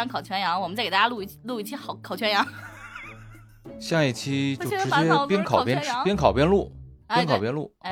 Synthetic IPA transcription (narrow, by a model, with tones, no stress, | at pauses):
ɑ˥ŋkʰɑ˨˩ʊt͡ɕʰɥɛ˧˥njɑ˧˥ŋwɔ˨˩mə˦nt͡skt̪a˥˩ja˥u˥˩˧lu˥˧i˥˩t͡ɕʰi˥xʊkʰɑ˨˩ʊt͡ɕʰɥɛ˧˥njɑ˧˥ŋ | ɕja˥˧i˥˩t͡ɕʰi˥jo˥˩˥ʈ͡ʂɻ̩˧˥t͡ɕjɛ˥pi˥nkʰɑ˨˩ʊ˩pjɛ˥nʰ˧˥pjɛ˥nkʰɑ˨˩ʊpjɛ˥˧nlu˥˩i˥nkʰɑ˨˩ʊpjɛ˥˧nlu˥˩˧